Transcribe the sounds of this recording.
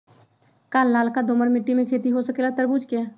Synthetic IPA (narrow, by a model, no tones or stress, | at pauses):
kaːlːaːlkad̪oːməɾmɪʈːimẽkʰeːt̪iɦosəkelat̪əɾbuːd͡ʒkeː